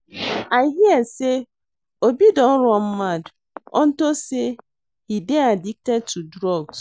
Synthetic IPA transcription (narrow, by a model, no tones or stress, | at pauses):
aɪɦiase | obidɔn̩ɾɔm̩mad | ɔ̰n̩tose | hideadik̚tɛd̚tudɾɔɡs